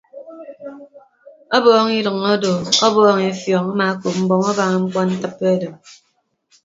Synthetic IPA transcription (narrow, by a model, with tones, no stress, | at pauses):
ɔ˦bɔː˦ŋi˦ɾɨ˨ŋo˦do˨ɔ˦bɔː˦ŋe˨˦fjɔ˨ŋa˦ma˨˦ko˨p̚m̩˦bɔ˨ŋɔ˦ba˨ŋa˨ŋ͡m̩˦k͡pɔ˦n̩˦tɨ˦pːe˦dɨ˨m